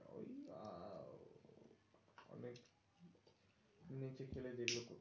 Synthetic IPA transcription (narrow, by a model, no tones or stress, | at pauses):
o̰ja | ɔ̰nek | nit͡ɕekʰeledeɡloko